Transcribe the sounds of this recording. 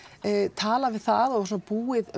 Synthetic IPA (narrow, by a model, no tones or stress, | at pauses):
t̪ʰaːlavɪðθaðɔvs̬unapuːɪð